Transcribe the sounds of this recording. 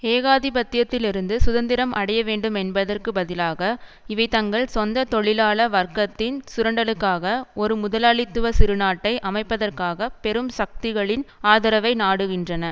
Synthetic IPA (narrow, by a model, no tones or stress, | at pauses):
eːɣaːðɪbɐt̪ːɪjɐt̪ːɪlɪɾɯnd̪ɯsʊðɐnd̪ɪɾɐmʔɐɽɐjɐʋeːɳɖɯmɛnbɐðɐrkɯbɐðɪlaːɣɐ | ɪʋɐɪt̪ɐŋɡɐɭsɔnd̪ɐt̪ɔɭɪlaːɭɐʋɐrkɐt̪ːɪnsʊɾɐɳɖɐlɯkːaːɣɐɔɾɯmʊðɐlaːɭɪt̪ːɯʋɐsɪɾɯnaːʈːɐɪʔɐmɐɪpːɐðɐrkaːɣɐpɛɾɯmsɐk̚t̪ɪɣɐɭɪnaːðɐɾɐʋɐɪnaːɽɯɣɪndrɐnɐ